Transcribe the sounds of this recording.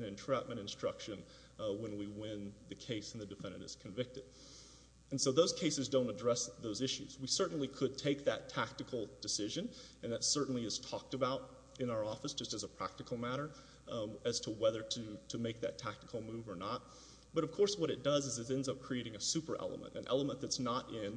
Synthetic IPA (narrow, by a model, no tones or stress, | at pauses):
ɨ̃nɨ̃ntʰɹ̥æp̚mɨ̃ɾ̃ɨ̃nstɹ̥ʌ̰kʃɨ̃n | wə̃nwiwɪ̃nðɨkʰeɪsn̩ðɨdɨfɛ̃ndɨ̰̃ɾɨ̰z̥kʰɨ̃ɱvɪk̚tɨd̥ | ɨ̃n̩soʊðoʊz̥kʰeɪsɨzdõʊ̃ntɨdɹɛsðoʊzɪʃʉ̰zwisɜ˞ʔn̩likʰɨd̚tʰeɪk̚ðɨ̰tʰæk̚tɨkʰl̩ˠd̥ɨsɪʒɨ̃nɨ̃nðɨtsɜ˞ʔn̩liɨz̥tʰɔk̚tɨbaʊɾ | ɨ̃naʊə˞ɔfəsd̥ʒ̥ʌstɨzəpʰɹ̥æ̰k̚tɨkʰl̩ˠmæɾə˞ | ɨz̥tʰəwɛðə˞ɾɨɾɨmeɪk̚ðɨ̰tʰæk̚tɨkʰl̩ˠmʉvə˞nət̚ | b̥ʌɾʌv̥kʰɔɹswʌɾɨt̚d̥ʌzɨzɨzɛ̃ndzʌp̚kʰɹ̥ieɪɾɪ̃ŋɨsʉpə˞ʔɛ̰lˠə̰mə̰̃ntɨ̰̃nʔɛ̰lˠəmə̃nðɨtsnəɾɪ̃n